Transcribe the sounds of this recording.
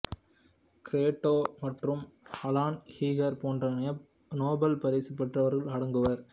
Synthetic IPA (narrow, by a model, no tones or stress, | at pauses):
kɪɾeːʈːoːmɐʈrɯmɐlaːnhiːɣɐɾpoːndrɐnɐjɐ | noːbɐlpɐɾeːsipːɐʈrɐʋɐɾɣɐɭɐɽɐŋɡɯʋɐɾ